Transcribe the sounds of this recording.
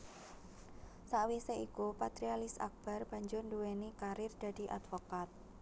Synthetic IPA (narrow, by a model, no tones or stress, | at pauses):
saʔwiseikupat̪ɾialɪsa̰k̚b̥a̤rb̥a̤ɲd͡ʒʊrnduwenikaɾɪrd̪̥a̤d̥i̤ʔa̰d̪̥fokat̪̚